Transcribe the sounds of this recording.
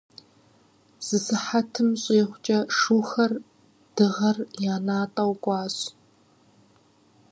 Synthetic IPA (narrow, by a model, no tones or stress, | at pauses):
z̥ɨsɨħatʰɨmɕʼeːχʷt͡ʃʼɐʂuːxɐr | d̥ɨʁɐrjaːnaːtʼɐwɡʷʼɑːɕ